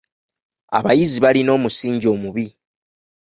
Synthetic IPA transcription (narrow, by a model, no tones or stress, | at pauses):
a̰βajiziβalino̞ːmusiːɲɟo̞ːmuβi